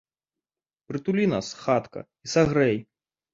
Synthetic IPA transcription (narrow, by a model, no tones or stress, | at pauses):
pɾɨt̪ulʲina̰sxat̪kɐ̰ | isaɣɾɛj